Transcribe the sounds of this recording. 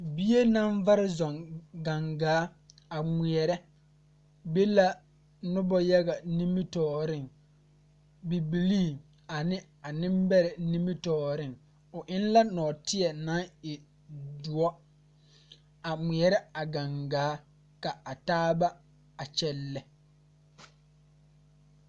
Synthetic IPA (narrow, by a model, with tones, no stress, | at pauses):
bi˦je˦na˦ɱva˦ɾɪ˦zɔ˨ŋɡa˨ŋɡaː˨˦ | a˨mi˨ɛ˨ɾɛ˦ | be˦la˦ | nʊ˦bɔ˦ja˦ɡa˨nĩ˦mi˦tɔː˨ɾɪ˦ŋ | bi˨bi˨liː˦˨ | a˨nɪ˦ | a˨nɪ̃˦mbɛ˦ɾɛ˨nĩ˦mi˦tɔː˨ɾɪ̃˦˨ŋ | ʊ˨ʔɪ˦n˦la˦nɔː˨tɪ˦ɛ˨na˦ŋɪ˨ | du˨ɔ˦ | a˨mi˨ɛ˨ɾɛ˦a˨ɡa˨ŋɡaː˨˦ | ka˨a˨taː˦ba˦ | a˨t͡ʃɛ˦lːɛ˨